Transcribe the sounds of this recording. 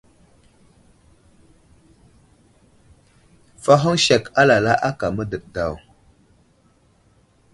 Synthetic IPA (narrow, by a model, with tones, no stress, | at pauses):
fa˦ɦə˦ŋʃe˨ka˦la˨la˦ʔa˦ka˨mə˦də˨k̚da˨w